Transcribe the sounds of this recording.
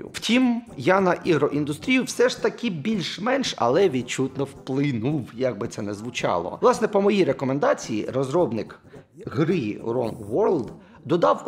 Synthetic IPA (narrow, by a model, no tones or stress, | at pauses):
wtʲimjɑnɐʔiɦɾɔʔind̪ʊst̪ɾʲijʊwsɛʃt̪ɐkʲɪbʲilʲʃmɛnʃɐ̰lˠɛʋʲid̪̚t͡ʃut̪nɔwplˠɪnuwjɑɡ̚bɪt̪sɛnɛzʋʊt͡ʃɑ̰lˠɔ̰lˠɑsnɛpɔmɔjijɾe̞kɔmend̪ɑt͡sʲijḭrɔzɾɔbnɪk | ɦɾɪrɔ̰nɡʋɔrlˠd̪ | d̪ɔd̪ɑw